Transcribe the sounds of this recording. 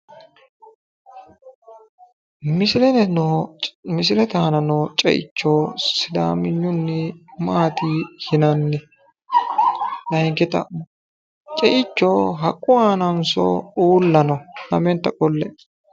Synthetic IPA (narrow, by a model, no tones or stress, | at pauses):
mɪslɛn | mɪsɪlɛt̪aːnɐnɔt͡ʃʼɛ̰ʔɪ̰t͡ʃːoːsɪd̪a̰ːmɪɲːʊnːɪmaːt̪ihɪnɐnːɛ | lɐjɪŋkɛt̪ɐ̰mɔ | t͡ʃʼɛʔɪt͡ʃːoːɦɐkʼːʊaːnɐnsɔ̰uːlːɐnɔnɐ̰mɛnt̪ːɐkʼɔlːɛ